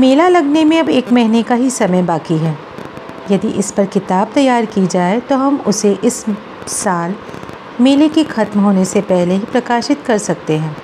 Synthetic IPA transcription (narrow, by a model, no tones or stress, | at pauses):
meːlalɐɡnemẽɐbeːkmɛɦnekaɦisɐməjbaːkiɦɛː | jɐd̪iʔɪspɐɾkɪt̪aːb̚t̪ɐjːaːɾkid͡ʒaːet̪oɦɐmʊseʔɪsː | aːl | meːlekixɐt̪mɦoːnesepɛɦleɦipɾɐkaːʃɪt̪kɐɾsɐk̚t̪eɦɛ̃ː